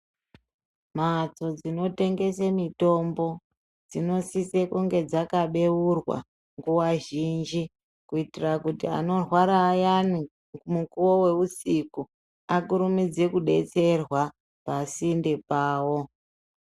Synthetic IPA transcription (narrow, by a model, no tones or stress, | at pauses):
mat͡so̞d͡zino̞te̞ŋɡe̞semito̞mbo̞ | d͡zino̞sisekuŋɡe̞d͡zakaɓe̞wurwa̰ | ŋɡuwaʒind͡ʒi | kuitirakutia̰no̞rwaɾajani | umukuwo̞we̞usiku | akuɾumid͡ze̞kuɗe̞t͡se̞rwa | pasindepaːwo̞